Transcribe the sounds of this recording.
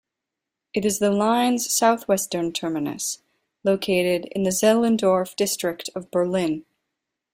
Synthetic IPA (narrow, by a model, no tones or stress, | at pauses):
ɨɾɨzðəlãɪ̃nz̥saʊθwɛstə̃˞ntʰɜ˞mɨnɨ̰s | loʊkʰeɪɾɪɾɪ̰̃nðɨzɛlˠɨ̃ndɔɹfd̥ɪstɹ̥ɨk̚tʰʌvbə˞lɪ̃n